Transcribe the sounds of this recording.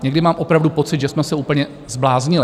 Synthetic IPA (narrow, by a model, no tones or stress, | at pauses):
ɲɛɡdɪmaːmʔo̞pɾavdupo̞t͡sɪt̪ʒɛsmɛsɛuːpl̩ɲɛ | zblaːzɲɪlɪ